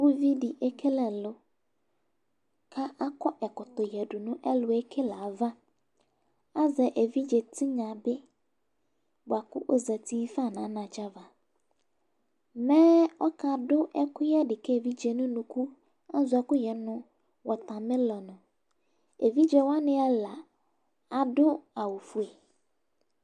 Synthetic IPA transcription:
wu˦vi˦di˨ʔɛ˦kʰe˦lɛ˨lʊ˨ | kʰa˦ʔa˦kɔ˦ʔɛ˨kʊ˨t̪ʊ˨jɛ˨dʊ˨nʊ̃˦ʔɛ˦lʊ˨ɛ˦kʰe˦la˨va˦ | a˦zɛ˨ʔe˨vi˦d͡ʒɛ˨tʰɪ˦ɲã˨bɪ˦ | bʊ˨a˨kʊ̰˦ʔo˦za˨tʰi˦fa˦˨nã˨˦nã˨t͡ʃa˦va˨ | mɛ̃˦ɔ˦kʰa˨dʊ˦ʔɛ˦kʊ˦jɛ˦dɪ˨kɛ˦˨vi˦d͡ʒe˨nʊ̃˦nʊ̃˨ku˦ | a˦zʊ˨˦ɛ˨kʊ˦jɛ˨nʊ̃˦ | wɔ˨t̪ã˨mɪ̃˦lɔ˨nʊ̃˨ | e˨vi˦d͡ʒɛ˨wa˦nɪ̃˦a˦la˨ | a˨dʊ˦a˨wʊ˨fu˨e˨

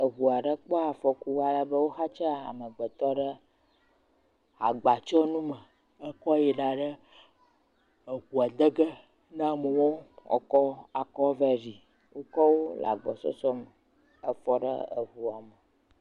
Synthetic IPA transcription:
ə˨ɦu˨a˨ɖə˦k͡pɔ˦a˨fɔ˦ku˦a˨la˦bə˦wo˦xa˦t͡ʃa˦˨a̰˨mə˨ɡ͡bə˨t̪ɔ˦ɖə˦ | a̰˨ɡ͡ba˨t͡ʃɔ˦nũ˦mə˨ | ə˦kɔ˦jɛ˨ɖa˨ɖə˦ | ə˨ɦu˨a˨d̪ə˦ɡə˦ | nã˦mə˨wo˦ɔ̰˨kɔ˦a˨kɔ˦vɛ˦zi˨ | wʔo˦kɔ˦wo˦lʔa̰˨ɡ͡bɔ˨sɔ̰˦sɔ˦mə˨ | ə˦fɔ˦ɖə̰˦ə̰˨ɦu˨a˨mə˨

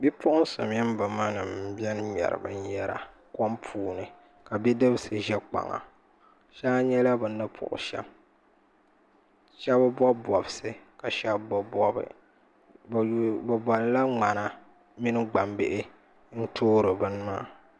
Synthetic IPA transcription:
bi˦pʊ˦ʔʊ˦n˦sʊ̰˨m˨jɛ˦m˦bɨ˨ma˦nɨ˨m̩˨bjɛ˦n˦ɲɛ̰˨ɾɨ̰˨bɨ̰˦n˦jɛ˦ɾa̰˨ | kɔ˦mpʰuː˨˦nɨ˨ | ka˨bi˦dɨ˦bɨ˦sɨ˨ʒɛ˦k͡pa̰˨ŋa̰˨ | ʃa˦ɲɛ˦la˦bɨ˨nːɨ˦pʰʊ̰˨ʔʊ̰˨ʃɛ̰˦m | ʃɛ˦bɨ˦bɔ˦bɔ˨bɨ˨sɨ˦ka˨ʃɛ˦bbɔ˦bɔ˦bɨ̰˨ | bɨ˨bɔ˨lla˦ŋ͡ma˨na˨ | mi˦nɨ˦ɡ͡ba˨mbɪ˦ʔɪ˦ | n̩˦tʰoː˦ɾɨ˨bɨ˦n˦ma̰ː˦˨

